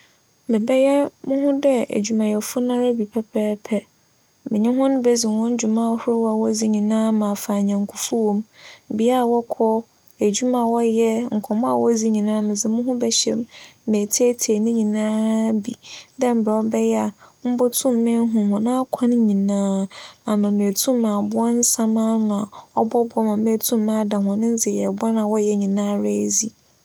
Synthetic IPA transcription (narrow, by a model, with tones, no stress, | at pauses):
bɛ˨bɛ˦jɛ˦mʊ̃˦ɦʊ̃˦dɛ˦æ̰˨d͡ʑᶣu˨mã˨jɛ˨fʊ˦nã˦ɾa˦bi˨pʰɛ˦pʰɛː˦pʰɛ˦ | mɪ̃˨ɲɪ̃˦ɦʊ̃˦nʊ̃˦bɛ˦zi˨wɔ̃˦n̩˦d͡ʑu˨mã˦hʊ˦ɾo˦wa˨wɔ˦d͡zi˦ɲĩ˨nãː˦mã˨fa˨ɲã˨ŋ˨kʰʊ˨fu˦wo˦mbi˨a˦˨wɔ˦kʰɔ˦ | e˨d͡ʑu˦mã˨wɔ˦jɛ˦ŋ̩˨kʰɔ˨mɔ̃˦a̰˨wɔ˦d͡zi˦ɲĩ˨nãː˦mɪ̃˨zɪ˨mʊ̃˦ɦʊ̃˦bɛ˦ɕɛ̰˦m˦mẽ˨tʰe˦tʰe˨nɪ̃˦ɲĩ˨nãː˦bi˨dɛ̃˦m̩˨bɾɛ˨ɔ˦bɛ˦jɛ˦a˨m̩˦bɔ˦tʰʊ̃˦mː˦ɪ̃˦ɦʊ̃˨hʊ̃˨nã˦kʷʰã˦n˦ɲĩ˨nãː˦a˨nʊ̃˨mẽ˨tʰũ˦mː˦ã˨bʊ˦ɔ˦n̩˦sã˦mã˦n˨a˨ɔ˦bɔ˦bɔ˦mã˨mẽ˦tʰũ˦mː˦ã˦dã˨hɔ̃˨nɪ̃˦n˦d͡zɪ˨jɛ˨bʊ˦a˦nã˨wɔ˦jɛ˦ɲĩ˨nãː˦ɾɛ˦zi˨